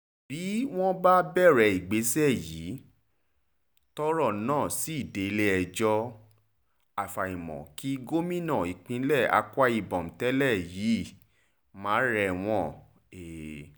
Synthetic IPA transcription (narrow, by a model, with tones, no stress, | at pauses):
bi˨˦w̃ɔ̃˦ba˦bɛ˦˨ɾɛ˧˨i˨ɡ͡be˨˦sɛ˦˨jiː˨˦ | tɔ˦ɾɔ˦˨nãː˦˨si˦i˦˨de˨˦le˦ɛ˧d͡ʒɔ˧ | a˨fa˨i˨mɔ̰̃˨ki˦ɡo˦mĩ˦nã˦˨i˨k͡pĩ˨˧˦lɛ˦˨a̰˧ka˦i˧˨bɔ̃˨m̩˨tɛ˦lɛ˦˨jiː˨˦˨ | mãː˨˦ɾɛ˧˨w̃ɔ̃˧˦ | e˨